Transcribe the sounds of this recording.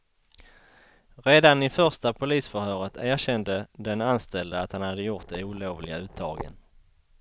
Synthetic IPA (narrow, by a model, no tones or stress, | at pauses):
ɾeːd̪anɪfœʁʂt̪apʰʊliːsfœɾhœːɾət̪ʰæːɾɕɛnd̪əd̪ɛnanst̪ɛld̪əat̪hanhad̪ːəjʊʈ̪̚d̪ɛuːloːvlɪɡaʉ̟ːt̪ʰːɑ̰ːɡə̰n